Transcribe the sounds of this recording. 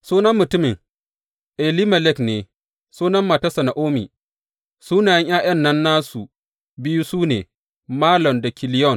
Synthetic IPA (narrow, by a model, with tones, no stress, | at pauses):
suː˦nɐ˦mːʊ˨tʊ˦mɪ˨ŋ | ʔɛ˨li˦mɐ˨lɛ˦kneː˨ | suː˦nɐ˦mːa˨ta˦sɐ˨na˨ʔoː˦mḭː˨ | suː˦naː˨jɐ˦ŋj̰aː˦j̰ɐ˦nːɐ˦nːaː˦su˨ | bɪ˦ju˦suː˦nḛː˨ | maː˦lɔ˨mda˨kʲɪ˨lɪ˦jɔ˦˨n